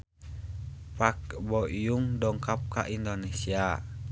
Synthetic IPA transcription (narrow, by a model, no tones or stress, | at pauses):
pak̚bɔʔijuŋdɔŋkap̚ka̰ʔindonesia